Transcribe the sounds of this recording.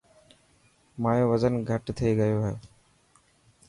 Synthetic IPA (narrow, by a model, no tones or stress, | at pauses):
maːjoːʋəzənɡʱəʈt̪ʰeːɡəjoːɦeː